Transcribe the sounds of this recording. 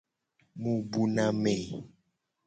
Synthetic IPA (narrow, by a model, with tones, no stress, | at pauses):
mũ˨bu˨nã˦me˨